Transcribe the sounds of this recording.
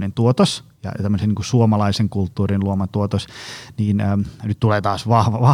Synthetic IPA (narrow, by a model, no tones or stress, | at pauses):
nent̪uot̪osjɑ̰jt̪æmːəseniŋkusuomɑlɑiseŋkult̪ːuːrinluomɑt̪uot̪osniːnːnyt̪t̪uleːt̪ɑːsʋɑhʋɑʋɑ